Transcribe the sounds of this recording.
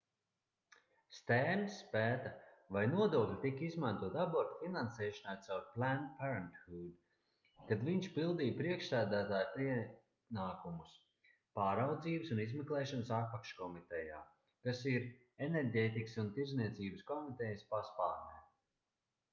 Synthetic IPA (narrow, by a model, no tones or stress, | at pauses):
st̪ɛːmsːpæːt̪avajnuɔd̪uɔklʲit̪ikizmant̪uɔt̪abɔɾt̪finansɛːʃɔnajt̪sawɾplænpɛɾant̪hud̪ | kad̪viɲʃpilˠd̪iːjpɾiɛkʃsæːd̪æːt̪aːjiɛ | naːkumus | paːɾawd̪ziːbəsunizmeklˠɛːʃɔnsat̪̚pakʃkɔmit̪ɛjaː | kasiɾ | enɛɾɡeːt̪iksunt̪iɾzniɛt̪siːbəskɔmit̪ɛjəspaspaːɾnʲɛː